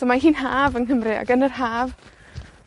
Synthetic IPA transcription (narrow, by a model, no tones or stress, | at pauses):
omaɦiːnɦaːvənɦəmrɪa̰ɡənərhaːv